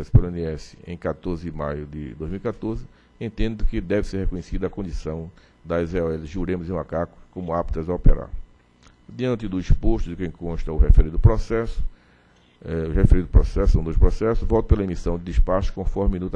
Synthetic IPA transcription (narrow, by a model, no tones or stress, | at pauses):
ɛsʊ̥pelẽniɛsɪ̥ḛ̃j̃kat̪oɾzɪɪmajʊd̪ɪ̰d̪ojzmiwikat̪oɾzɪ | ẽnt̪ẽnd̪ʊkɪd̪ɛvɪseɾhekõɲesid̪ɐkõnd͡ʒ̪isɐ̃w̃ | d̪ɐzeɔɛlɪʒuɾẽmʊzẽj̃makakʊ̥kõmʊapt̪ɐzaopeɾa̰ɾ | d̪iɐ̃nt̪ɪd̪ʊispoʃt̪ʊd̪ɪkẽj̃kõʃt̪ɐʊhefeɾĩd̪ʊpɾɔsɛsʊ̥ | ɛʊhefeɾĩd̪ʊpɾɔsɛsɐ̃d̪ospɾɔsɛsʊzvɔwt̪ʊ̥pelɐemisɐ̃w̃d̪ɪd̪ispaʃʊ̥kõfɔɾmɪinut̪